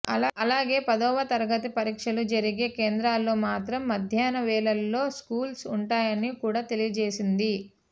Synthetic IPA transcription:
ɐlaːɡe̞ːpɐd̪ɔːʋɐt̪ɐɾɐɡɐt̪ipɐɾiːkʂɐlud͡ʒɐɾiɡe̞ːkeːnd̪ɾaːlːo̞ːmaːt̪ɾɐmːɐd̪ʱjaːnɐʋɛːlɐlːo̞ːskuːlsuɳʈaːjɐnikuːɽaːt̪e̞lijɐd͡ʒeːsind̪i

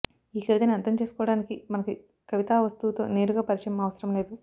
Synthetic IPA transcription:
iːkeld̪ɐniɐnt̪ɐmt͡ʃe̞ːsu̥kɔːʋɐɽaːnikimɐnɐki | kɐʋit̪aːʋɐst̪ut̪o̞̰ːne̞ːɾuɡaːpɐɾiʂɐjɐmɐʋɐsɐɾɐmle̞ːd̪u

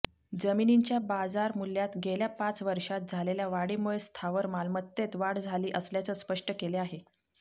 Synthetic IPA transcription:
d͡zəminiɲt͡ɕjabad͡zaɾmuljat̪ɡeljapat͡sʋəɾʂat̪̚d͡zʱaleljaʋaɽimuɭest̪ʰaʋəɾmalmət̪ːet̪ʋaɽd͡zʱaliːʔəsljat͡səspəʂʈəkeleaɦe

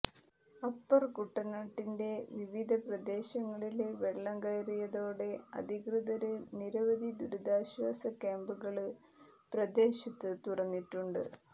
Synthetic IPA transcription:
ɐpːɐrkuʈːɐnaːʈːinde̞ʋiʋid̪ʱɐprɐd̪e̞ːɕɐŋːɐɭileʋeɭːɐŋɡɐjɾijɐðo̞ːɽe̞ɐ̰d̪ʱikrɨðɐɾɨniɾɐʋɐd̪ʱid̪uɾud̪aːɕʋaːsɐkaːmbuɣɐɭɨ | prɐd̪e̞ːɕɐt̪ːɨt̪urɐnːiʈːuɳɖɨ

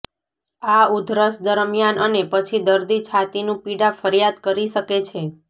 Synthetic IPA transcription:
aud̪ʱɾəsd̪əɾmjanənepət͡ʃʰid̪əɾd̪it͡ʃʰat̪inũpiɽafəɾjad̪kəɾiʃəket͡ʃʰe

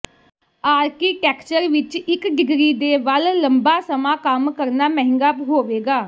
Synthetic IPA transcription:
aːɾkiːʈɛːkt͡ʃəɾʋɪt͡ʃɪkɖɪɡɾiːd̪eːʋəlləmbaːsəmãːkəmkəɾnaːmɛɦɪ̃ŋɡaːpɦoːʋeːɡaː

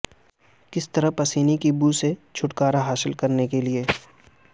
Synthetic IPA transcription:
kɪst̪ɐɾəpɐsiːnikibuːset͡ʃʰʊʈkaːɾaɦaːsɪlkɐɾnekelieː

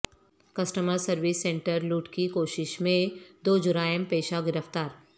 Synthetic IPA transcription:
kɐsʈəməɾsɐɾʋɪsːẽɳʈəɾluːʈkikoːʃɪʃmẽd̪oːd͡ʒʊɾaːjəmpeːʃaɡɪɾəft̪aːɾ

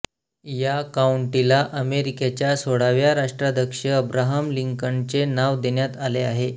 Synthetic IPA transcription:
jakauɳʈilaʔəmeɾiket͡ɕjasoɽaʋjaɾaʂʈɾad̪əkʂəəbɾaɦəmliŋkəɳt͡senaʋd̪eɳjat̪aleaɦe

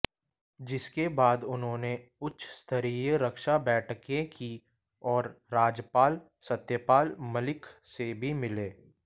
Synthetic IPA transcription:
d͡ʒɪskebaːd̪ʊnɦõːneʊtːʃʰst̪ʰəɾijəɾɐkʃabɛːʈʰkẽki | ɔːɾːaːd͡ʒpaːl | sət̪jəpaːlməlɪkʰsebʱimɪleː

